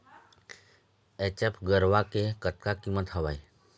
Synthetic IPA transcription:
et͡ʃəpʰɡəɾʋakekət̪̚kakimət̪ɦəʋaj

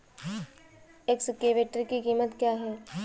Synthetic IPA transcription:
eksɪkeːʋeːʈɾikikiːmət̪kjaːɦɛː

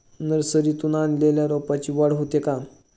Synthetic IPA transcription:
nəɾsəɾit̪unanleljaɾopat͡ɕiːʋaɽɦot̪jeka

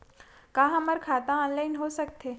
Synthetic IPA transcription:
kãːɦɐmɐɾkʰaːt̪ãɔːnlaːɪnɦosɐk̚t̪eː

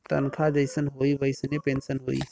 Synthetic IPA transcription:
t̪ə̰nkʰad͡ʒəɪsənɦoːibəɪsnepeːnsənɦo̰ːḭ

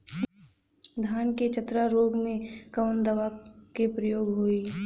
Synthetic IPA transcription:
d̪ʱaːnket͡ʃət̪ɾaɾoːɡmẽkɐʋənd̪əʋakepɾəjoːɡɦoːiː

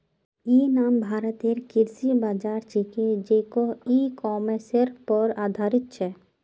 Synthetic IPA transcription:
inambʱaːɾət̪eɾkiɾsibad͡ʒaɾt͡ʃiked͡ʒekoikɔmeseɾpɔɾaːd̪ʱaɾit̪t͡ɕʰe

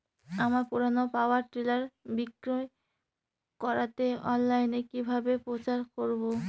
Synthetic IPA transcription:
amaɾpuɾanopawaɾʈɾilaɾbikɾo | kɔɾat̪eɔnlajnekibʱabepɾot͡ɕaɾkoɾbo

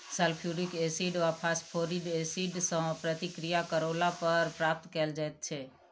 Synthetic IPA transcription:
səlpʰjuɾikesiɖʋapʰaspʰoɾiɖesiɖsə̃pɾət̪ikɾijakəɾolapəɾpɾap̚t̪kəld͡ʒajt̪̚t͡ʃʰe

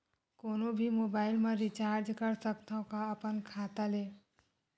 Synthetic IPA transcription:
koːnobʱimoːbaːɪlmẽɾit͡ʃaːɾd͡ʒkəɾsəkt̪ãkaəpənkʰaːt̪aleː

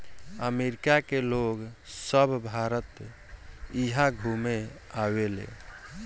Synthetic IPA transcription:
əmeɾikakeloɡsəbʱbʱaɾət̪ | iɦaɡʱume | awelḛ

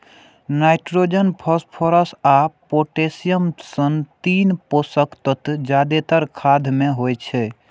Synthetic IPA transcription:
najʈɾod͡ʒənpʰəspʰoɾəsapoʈesijəmsənt̪inposəkt̪ət̪d͡ʒad̪et̪əɾkʰad̪ʱmeɦojt͡ʃʰɛ

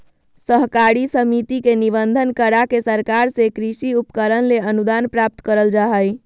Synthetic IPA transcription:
səɦkaɽisəmit̪ikenibənd̪ʱənkəɾakesəɾkaɾsekɾisiupkəɾənleənud̪anpɾap̚t̪kəɾəld͡ʒaɦəj

